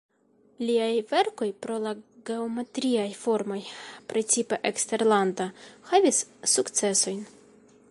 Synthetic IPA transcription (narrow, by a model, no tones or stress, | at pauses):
liajve̞ɾko̞jpɾo̞laɡe̞ometɾiajfo̞ɾmo̞jpɾe̞t͡sipe̞ʔekste̞ɾlandahavisːukt͡se̞so̞jn